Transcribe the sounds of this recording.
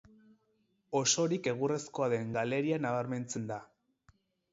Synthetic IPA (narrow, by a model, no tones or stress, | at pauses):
o̞so̞ɾike̞ɣ̞ure̞sko̞aðe̞ŋɡale̞ɾianaβ̞aɾme̞nt͡se̞nd̪a